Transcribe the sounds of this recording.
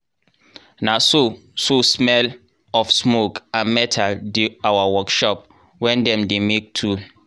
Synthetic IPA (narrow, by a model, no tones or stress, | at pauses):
nasososmɛl | ɔfsmokãnmɛtʰalduawawɔkʃɔp̚ | wɛ̃ndɛ̃mdemek̚tʰul